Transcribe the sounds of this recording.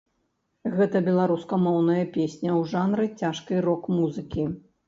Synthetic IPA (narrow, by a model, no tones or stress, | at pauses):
ɣɛt̪ɐbʲɛlˠaɾuskɐmɔwnɐjɐpʲesʲnʲɐwʐanɾɨt͡sʲaʂkɨɾɔkmuzɨkʲi